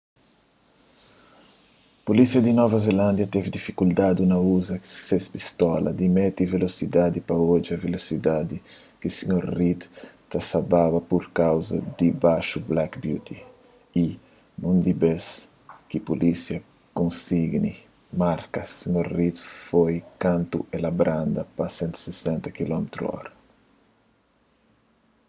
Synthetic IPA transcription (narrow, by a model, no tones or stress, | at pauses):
polisjɐd̪inɔvɐzelãnd̪jɐt̪evid̪ifikuld̪ad̪unɐuzɐsespist̪ɔlɐ̰d̪imɛt̪ivelosid̪ad̪ipɐod͡ʒiɐvelosid̪ad̪i | kisiɲoɾrit̪t̪asababɐpoɾkawzɐ̰d̪ibaʃublakbjut̪ʰi | i | nũnd̪ibes | kipolʔisjɐ | kõnsiɡni | maɾkɐsiɲoɾrit̪fojkãnt̪uelabɾʔãnd̪ɐpɐsɛ̃nt̪u̥sesɛ̃nt̪ɐkilɔmet̪ɾṵɔ̰ɾɐ